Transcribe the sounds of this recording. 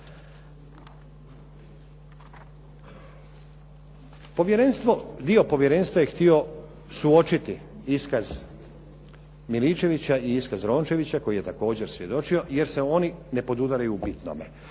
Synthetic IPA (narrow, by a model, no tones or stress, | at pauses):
pojeɾenst̪od̪io̞po̞ʋje̞ɾe̞nst̪ʋajext̪io̞ | suo̞t͡ʃit̪iiskaz | milit͡ʃe̞ʋit͡ɕaiiskazɾo̞ːnt͡ʃe̞ʋit͡ɕako̞jije̞t̪ako̞ːd͡ʑe̞ɾsʋʲje̞d̪o̞t͡ʃio̞je̞ɾse̞o̞nine̞po̞d̪ud̪aɾajuːbit̪no̰mḛ